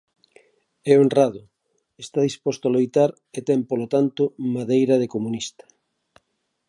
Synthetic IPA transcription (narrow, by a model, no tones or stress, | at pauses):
ɛonraðʊ | est̪aðispɔst̪oalojt̪aɾ | et̪ɛmpolot̪ant̪ʊmaðejɾaðekomunist̪ɐ̥